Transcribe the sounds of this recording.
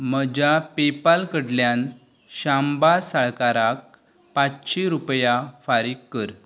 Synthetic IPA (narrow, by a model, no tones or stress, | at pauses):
məd͡ʑapepalkəɽljan | ɕambasaɭkaɾak̚ | pat͡sɕiɾupjafaɾikːəɾ